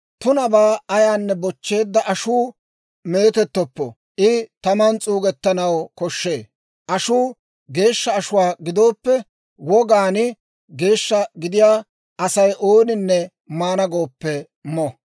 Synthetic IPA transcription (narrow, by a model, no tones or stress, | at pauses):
t̪ʊnɐbaːɐjaːnːɛbɔt͡ʃːe̞ːd̪ːɐʔɐʃuː | me̞ːt̪ɛt̪ːɔpːɔ | ʔɪt̪ɐmɐnt͡sʼuːɡɛt̪ːɐnɐwkɔʃːe̞ː | ʔɐʃuː | ɡe̞ːʃːɐːʃʊwaːɡɪd̪o̞ːpːɛ | wɔɡaːnɪ | ɡe̞ːʃːɐɡɪd̪ɪjaː | ɐsɐjʔoːnɪnːɛ | maːnɐɡo̞ːpːɛ | mɔ